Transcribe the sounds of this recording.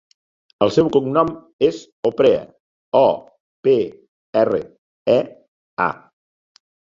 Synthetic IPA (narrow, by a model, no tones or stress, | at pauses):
əlˠsɛwkuŋnɔm | ez | opɾeə̰ | ɔ | pe | ɛrə̰ | ɛ | a̰